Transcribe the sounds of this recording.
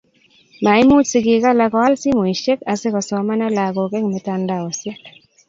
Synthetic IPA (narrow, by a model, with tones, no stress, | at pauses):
ma˨ɪ˦mu˦tsi˦ɡɪ˨ka˦la˦kɔ˨a˦lsi˦mo˨i˨ʃe˦ka˨se˦kɔ˨sɔ˨ma˦nɔ˦la˨ɡo˨kɛ˦ŋmɛ˨ta˦nda˦˨ɔ˨sjɛ˦k